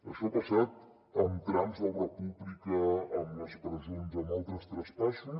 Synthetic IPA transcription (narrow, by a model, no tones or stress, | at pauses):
əʃɔpɐsat̪ | əmt̪ɾamzðərəpuβlikəːmləspɾəzonzəmɔlˠt̪ɾəst̪ɾəspaʃu